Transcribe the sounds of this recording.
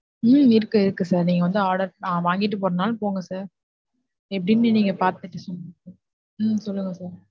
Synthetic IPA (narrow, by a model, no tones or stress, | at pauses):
mɪɾɯkːɯɪðɯkːɯsaːɾniːŋɡɐʋɐnd̪ɯaːɾɽɐɾãːʋaːŋɡɪʈːɯp̬oːɾɐnaːlpoːŋɡɐsaːɾ | ɛpːɐɽɪnːɯniːŋɡɐpaːɾt̪ɯʈːɯsɔnːɐ | sɔlːɯŋɡɐsaːɾ